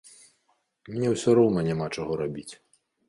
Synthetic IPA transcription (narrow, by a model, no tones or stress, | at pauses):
mʲnʲɛwsʲɔɾɔwnɐnʲɛmat͡ʂɔɣɔɾabʲit͡sʲ